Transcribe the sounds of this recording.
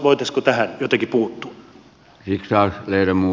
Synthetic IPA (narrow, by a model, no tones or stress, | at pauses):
ʋoit̪ɑskot̪æhænjot̪ɑkipuːt̪ːu̥ | siksɑːsleiræmmuː